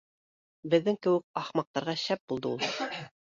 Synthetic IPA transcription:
bɘ̆ðːɘŋkɘ̆wɘk̚ɑχmɑq̚t̪ɑɾʁɑɕæp̚bulˠd̪ɤulˠ

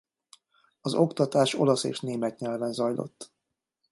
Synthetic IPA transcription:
ɒzo̞kt̪ɒt̪aːʃo̞lɒsḛːʃneːmɛt̪ɲɛlvɛnzɒjlo̞̰t̪ː

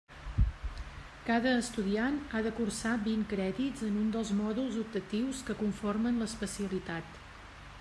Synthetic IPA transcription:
kaðəːst̪uðianaðəkursabiŋkɾɛðid͡zənund̪əlˠzmɔðulˠzub̚t̪ət̪iwskəkuɱformənləspəsiəlit̪at̪

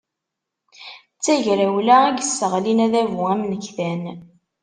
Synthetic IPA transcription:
t͡sːæʝɾæwlæɡəsːəʁlinæðævuæmnəçθæn

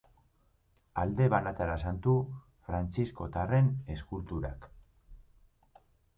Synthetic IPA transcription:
ald̪e̞βanat̪aɾasant̪u | fɾant͡sisko̞t̪are̞ne̞skult̪uɾa̰k

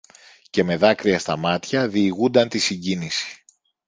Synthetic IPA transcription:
ce̞me̞ðɐkɾiɐst̪ɐmɐt̪çɐðiːɣund̪ɐnt̪isiɲɟinisi̥

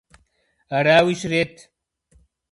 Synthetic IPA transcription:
ɐɾaːwiɕɾet̪

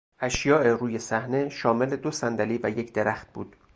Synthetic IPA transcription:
ʔæʃjɒːʔeɾuːje̞sæhne̞ʃɒːme̞led̪osænd̪æliːvæjecʰd̪eɾæxt̪̚b̥ṵːd̪̥

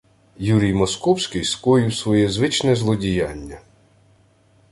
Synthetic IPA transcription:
juɾʲijmɔskɔwsʲkɪjskɔjiwsʋɔjɛzʋɪt͡ʃnɛzlˠɔdʲijɑnʲːɐ

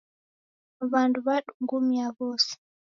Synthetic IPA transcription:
βanduβaɗuŋɡumiaβɔsi̥

